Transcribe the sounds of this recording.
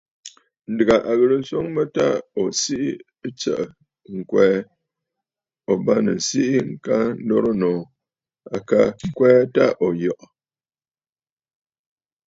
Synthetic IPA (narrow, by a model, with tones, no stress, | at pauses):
n̩˨dɨ˨ɡa˨ʔa˨ɣə˨ɾɨ˨n̩˦so˦ŋmə˦ta̰˦o˨si˦ʔi˦ | t͡ʃə̰˨ʔə˨ | ŋ̩˨kwɛː˦ | o˨ba˦nɨ̰˨n̩˨si˦ʔi˦ŋ̩˦˨ka˦n̩˦dɔ˦ɾo˦nɔː˨ | a˨ka˦ŋ˦kwɛː˦ta˦ʔo˨jɔ˨ʔɔ˨